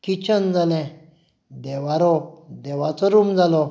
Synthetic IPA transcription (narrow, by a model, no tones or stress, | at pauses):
kit͡ɕənd͡zalɛ̃ | d̪ɛʋaɾɔd̪ɛʋat͡sɔɾumd͡zalɔ